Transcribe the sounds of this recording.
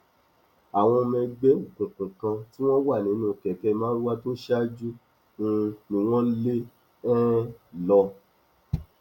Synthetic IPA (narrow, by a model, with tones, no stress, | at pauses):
a˨w̃ɔ̃˧mɛ̃˧ɡ͡be˨˦o˦˨kũ˨kũ˨kã˧ti˦w̃ɔ̃˦wa˦˨nĩ˨˦nũ˦˨kɛ˨kɛ˧mãː˦ɾu˦wa˦to˦ʃa˦d͡ʒu˦ | ũ˧nĩ˨w̃ɔ̃˦le˦ | ɛ˦lɔ˧